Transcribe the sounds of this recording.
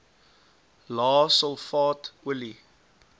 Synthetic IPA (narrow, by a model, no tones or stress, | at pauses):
lɑːsəlˠfɑːtwəli